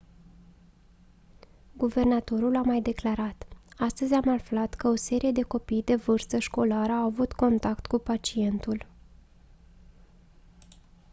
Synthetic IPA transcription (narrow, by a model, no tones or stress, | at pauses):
ɡuve̞rnat̪o̞ɾulamajd̪e̞klaɾat̪ast̪əzʲamaflat̪kəo̞se̞ɾije̞d̪e̞ko̞pijd̪e̞vɨrst̪əʃko̞laɾəawavut̪ko̞nt̪akt̪kupat͡ʃie̞nt̪ul